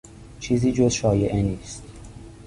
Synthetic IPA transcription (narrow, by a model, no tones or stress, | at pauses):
t͡ʃʰiːziːd͡ʒozʃɒːjeʔeniːst̪